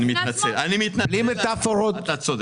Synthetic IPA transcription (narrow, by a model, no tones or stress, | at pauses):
nimit̪nat͡selʔanimit̪nalimet̪afoɾot̪asod̪